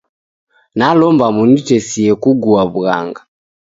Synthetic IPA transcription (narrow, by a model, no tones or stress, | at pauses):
nalɔmbamunit͡ʃɛsiɛkuɡuaβuɣa̰ŋɡa